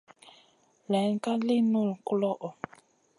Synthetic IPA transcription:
lɛ˨˦ŋ˦ka˦li˦nu˦˨lku˦lɔ˦ʔɔ˨

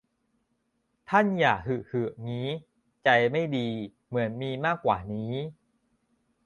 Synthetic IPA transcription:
t̪ʰa˥˩njaː˨˩k̚hɯ˨˩hɯ˨˩ŋiː˦˥ | t͡ɕa˧jma˥˩jdiː˧ | mɯ˩˦ənmiː˧maː˥˩kːwaː˨˩niː˦˥

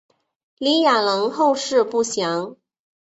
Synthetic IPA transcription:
li˧˥ja˨˩lɤ˧˥ŋxo˥˧ʊʂɻ̩˥˧pu˥˩ɕjɑ˧˥ŋ

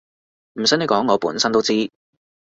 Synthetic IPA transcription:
m̩˨˩sɐ˨˥jn˨˧jkɔː˨˥ŋːɔː˨˧puː˨˥nsɐ˥nt̪o˥wt͡siː˥

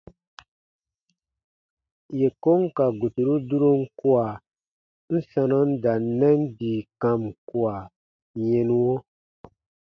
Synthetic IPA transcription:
je˨ko˦ŋ˦ka˨ɡo˨tu˨ɾu˦du˦ɾo˦ŋ̩˦ku˦a˨ | n̩˦sa˧nɔ˦n̩˦da˨nː˦ɛ˦n˦diː˨kã˨mku˦a˨ | ɲẽ˨nũ˦wo˦

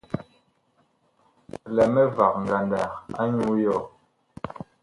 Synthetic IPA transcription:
lɛ˨mɛ˦va˨k̚ŋ̩˨ɡa˨nda˨ka˦ɲu˦jɔ˦˨

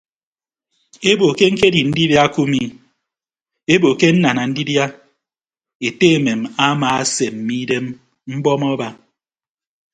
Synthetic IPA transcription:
e˦bo˨ke˦ŋ̩˦ke˦di˨n̩˦di˦bja˦ku˦mi˦ | e˦bo˨ke˦n̩˦na˨na˨n̩˦di˦bja˦ | e˨te˦e˨me˨ma˦ma˨a˦se˨m̩˦mi˦de˦m | m̩˦bɔ˦mɔ˦ba˦

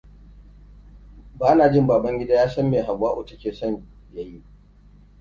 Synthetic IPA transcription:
baː˦naː˨d͡ʒɪ˦mbaː˨bɐ˦ŋɡʲɪ˦daː˦jaː˦sɐ˦mːeː˨ɦa˨bwaː˦ʔʊ˨tɐ˦kʲeː˨sɔ˦˨ɲ | ja˦˨ji˦

